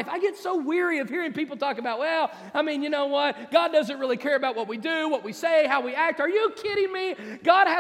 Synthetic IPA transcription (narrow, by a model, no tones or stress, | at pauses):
ɪfaɪɡɛtsoʊwɪɹiʌv̥hiɹɪ̃ŋpipl̩ˠtʰɔkəbaʊt̚wɛlˠ | aɪmĩnjɨñoʊwʌt̚ɡ̥ɑdʌzɨ̃nt̚ɹɪlˠikʰɛɹɨbaʊt̚wʌt̚widɨwʌt̚wiseɪɦaʊwiæk̚tə˞jɨkʰɪɾɪ̃ŋmiɡ̥ɑd̚ɨ